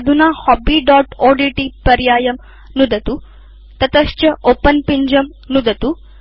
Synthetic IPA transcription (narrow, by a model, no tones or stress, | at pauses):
d̪ʱunaːhɔːbiːɖaːʈoːɖiːʈipɐɾjaːjɐm | nud̪ɐt̪u | t̪ɐt̪ɐʃt͡ʃɐʔoːpɐnpiɲd͡ʒɐm | nud̪ɐt̪u